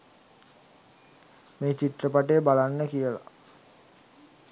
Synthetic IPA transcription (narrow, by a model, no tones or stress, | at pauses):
meːt͡ɕiʈrəpaʈeːbalanːəkijəla̰